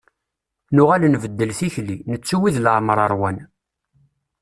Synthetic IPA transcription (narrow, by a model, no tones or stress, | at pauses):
nʊʁalnvəd̪ːəlθiçlinət͡sːuwiðlʕməɾˤɑɾˤwæn